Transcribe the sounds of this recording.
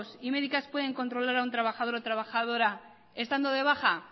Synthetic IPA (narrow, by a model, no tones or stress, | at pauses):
sime̞ðikaspwe̞ð̞e̞ŋko̞nt̪ɾo̞laɾaunt̪ɾaβaxaðo̞ɾot̪ɾaβaxaðo̞ɾa | e̞st̪and̪oðe̞β̞axa